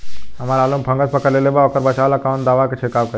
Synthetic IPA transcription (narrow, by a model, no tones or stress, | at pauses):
ɦɐmaːɾaːlumpʰɐ̃ŋɡəspɐkəɾlelebaokəɾbɐt͡ʃaːʋlakaw̃nt̪d̪aːʋaket͡ʃʰekaːʋkə